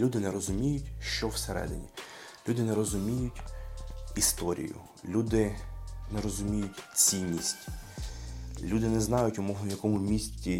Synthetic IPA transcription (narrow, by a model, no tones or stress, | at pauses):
lʲud̪ɪnɛɾɔzʊmʲijʊtʲʃt͡ʃɔwseɾɛ̰d̪ɪ̰nʲḭ | lʲud̪ɪnɛɾɔzʊmʲijʊtʲ | ist̪ɔɾʲḭjʊ̰ | lʲud̪ɪnɛɾɔzʊmʲijʊtʲt͡sʲinʲːisʲtʲ | lʲud̪ɪnɛznɑjʊtʲʊmɔwnɔjɐkɔmʊmʲisʲtʲi